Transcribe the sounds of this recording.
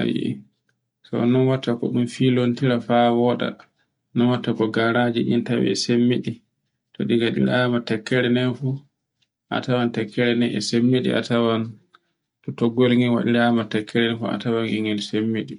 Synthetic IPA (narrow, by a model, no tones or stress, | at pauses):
a̰jḭ | sɔ̰nɔnwatːakɔɗumfilontiɾafawɔɗa̰ | nɔnwatːakɔɡaɾad͡ʒiɗḭntawḭɛsemːiɗi | tɔ̰ɗiɡaɗḭɾamatɛkːɛɾɛnɛfu | ʔa̰tawantɛkːɛɾɛnɛʔɛsemːiɗḭa̰tawan | tɔtɔɡolŋiwa̰ɗiɾamatɛkʰːɛɾɛnɛfua̰tawaniŋɡɛlsemːiɗi